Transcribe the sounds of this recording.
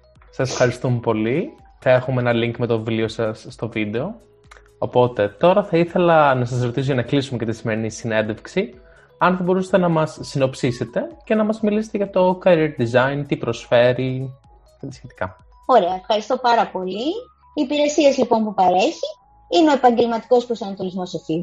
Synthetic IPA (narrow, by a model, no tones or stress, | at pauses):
sɐse̥fxɐɾist̪umpo̞li | θɐe̞xumeenɐliŋkmet̪o̞vlio̞sɐsːt̪o̞vid̪e̞o̞ | opo̞t̪e̞t̪o̞ɾɐθɐiθe̞lɐnɐs̬ɐsɾo̞t̪isoʝɐnɐklisumecɐt̪isimeɾinisine̞nd̪e̞fksi | ɐnθɐbo̞ɾusest̪e̞nɐmɐsːino̞psise̞t̪e̞ce̞nɐmɐzmilise̥t̪eʝɐt̪o̞kɐɾieɾt̪̚d̪izɐint̪ipɾo̞sfe̞ɾi | et̪isçe̞t̪i̥kɐ | o̞ɾeɐefxɐɾist̪o̞pɐɾɐpo̞liː | piɾe̞siezlipo̞npupɐɾeçi | ineo̞epɐɲɟe̞lmɐt̪i̥ko̞spɾosɐnɐt̪o̞lizmo̞sofi